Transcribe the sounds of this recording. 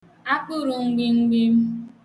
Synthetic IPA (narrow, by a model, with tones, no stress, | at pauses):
a˦k͡pʊ˦ɾʊ˨ŋ̩˦ɡ͡bɪ˦ŋ̩˦ɡ͡bi˦m̩˦